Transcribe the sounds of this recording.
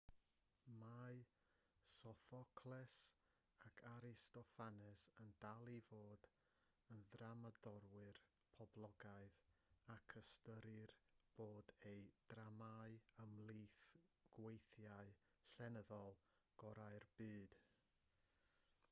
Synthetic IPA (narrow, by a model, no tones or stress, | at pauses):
maɨ | sɔfɔkʰlˠɛs | akʰaɾɪstɔfanɛsəndalˠivoːd | ənðramadɔɾwɨr | pʰɔblˠɔɡaɨðakʰəstəɾɨrb̥oːdejd̥ramaɨəmlˠiθɡ̥wejθjaɨ | ɬɛnəðɔlˠ | ɡ̥ɔɾaɨrbɨːd̥